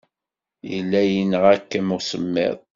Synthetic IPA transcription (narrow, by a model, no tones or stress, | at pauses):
jə̰lːæjənəʁækːəmʊsəmːɪ̰ðˤ